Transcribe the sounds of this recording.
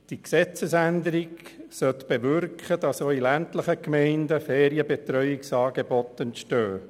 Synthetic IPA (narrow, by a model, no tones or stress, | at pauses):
d̥iksɛt͡səsændəɾiɡsœt̪b̥eʋʏrkχəd̥ɑsoilæntləχəkmɛɪndəfɛːɾiəbet̪ɾœʏɪksɑːɡ̥ebɔt̪ːɛntʃtøː